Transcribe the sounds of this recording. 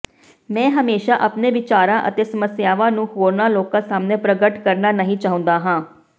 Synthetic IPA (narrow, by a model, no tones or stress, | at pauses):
mɛ̃ːɦəmeːʃaːʔəpneːʋɪt͡ʃaːɾãːʔə̰t̪eːsəməsjaːʋãːnũːɦoːɾnaːloːkãːsaːmneːpɾəɡəʈkəɾnaːnəɦĩːt͡ʃaːɦʊ̃nd̪aːɦãː